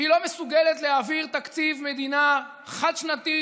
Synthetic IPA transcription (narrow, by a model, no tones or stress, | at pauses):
ilo̞mesuɡelet̪leaviʁt̪akt͡sivme̞d̪ina | χad̪ʃnat̪i